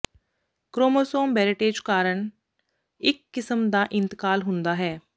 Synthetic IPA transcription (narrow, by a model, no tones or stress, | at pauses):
kɾoːmoːsoːmbɛːɾɪʈeːd͡ʒkaːɾəɳ | ɪkːɪsəmd̪aːʔɪ̃nt̪ɪ̥kaːlɦʊ̃nd̪aːɦɛː